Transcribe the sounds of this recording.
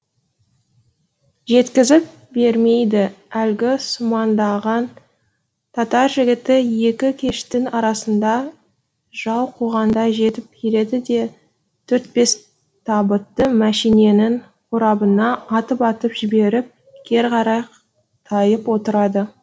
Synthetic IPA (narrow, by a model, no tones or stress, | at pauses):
ʒe̞t̪kʲɪzɪp̚ | be̞ɾme̞jd̪ɪælɡʲɪsʊmɑnd̪ɑʁɑn | t̪ʰɑt̪ɑɾʒɪɡʲɪt̪ɪje̞kʲɪkʲʰe̞ʃt̪ɪnɑɾɑsənd̪ɑ | ʒ̥ɑlˠqʰuʁɑnd̪ɑʒe̞t̪ɪp̚kʲʰeɾe̞d̪ɪd̪e̞ | t̪ʰɵɾt̪̚be̞s | t̪ʰɑbət̪ːəmæʃijne̞nɪn | qʰʊɾɑbənɑːt̪əpɑt̪əpʒɪbe̞ɾɪp̚ | kʲʰe̞ɾqɑɾɑj | t̪ʰɑjəpwo̞t̪əɾɑd̪ə